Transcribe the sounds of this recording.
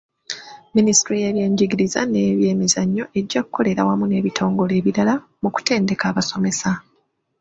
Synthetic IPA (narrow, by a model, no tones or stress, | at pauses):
ministɾijeːβje̞ːɲɟiɡiɾiza̰neːβje̞ːmezaɲːo̞ʔe̞ɟːaku̥kʰːo̞le̞ɾa̰wamune̞ːβitʰo̞ːŋɡo̞le̞ːβiɾala | muku̥te̞ːnde̞kaːβaso̞me̞sa